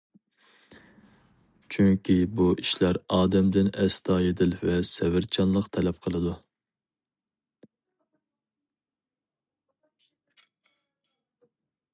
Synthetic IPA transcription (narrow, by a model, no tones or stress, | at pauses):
t͡ʃʰyŋkʲibuʔiʃlæɾɑːd̪ɛmd̪ɪnɛst̪ʰɑːjed̪ɪlvɛsɛvɪɾt͡ʃʰɑnlˠəqt̪ʰɛlɛp̚qʰəlˠɨd̪u